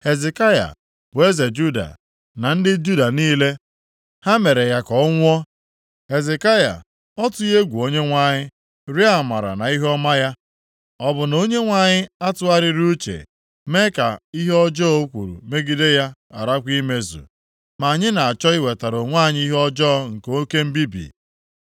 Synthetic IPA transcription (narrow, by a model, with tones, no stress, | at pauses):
he˨ze˨ka˦ja̰˨ | b̥ʊ˨e˦ze˨d͡ʒu˦da̰˨ | na˨n̩˦dɪ˦d͡ʒu˦da˨niː˦le˦ | ha˦me˨ɾe˨ja˦kɔ˨˦ŋʷ˦ɔ˦ | he˨ze˨ka˦ja̰˨ | ɔ˦tʊ˦i˦ɦe˦ɡʷu˨o˦ɲe˦ŋʷa˦˨ɲɪ˦ | ɾi˦a˨ma̰˨ɾa̰˨na˨i˦ɦɔ˦ma˦ja˦ | ɔ˨bʊ˨no˦ɲe˦ŋʷa˦˨ɲɪ˦a˦tʊ˦a˦ɾɪ˦ɾu˦t͡ʃḛ˨ | me˦ka˨i˦ɦe˦ɔ˦d͡ʒɔ˦ɔ˦u˦kʷṵ˨ɾṵ˨me˦ɡi˦de˦ja˦a˨ɾa˦kʷi˦me˦zṵ˨ | ma˨a˨ɲɪ˦na˨a˨t͡ʃɔ˦i˦we˨ta˨ɾo˨ŋʷa˦˨ɲɪ˦i˦ɦɔ˦d͡ʒɔ˦ŋ̩˨ko˦ke˦m̩˦bi˦bḭ˨